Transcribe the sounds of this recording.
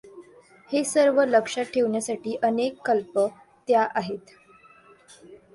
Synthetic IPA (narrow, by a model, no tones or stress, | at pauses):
hesəɾʋələkʂaʈʰeʋɳjasaʈiːʔənekːəlpə | t̪jaʔaɦet̪